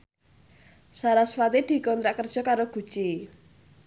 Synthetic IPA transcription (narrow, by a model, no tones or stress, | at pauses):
saɾasfat̪id̪̥i̤kɔnt̪ɾaʔkərd̥ʒ̥ɔ̤kaɾoɡ̥ṳ̥t͡ʃi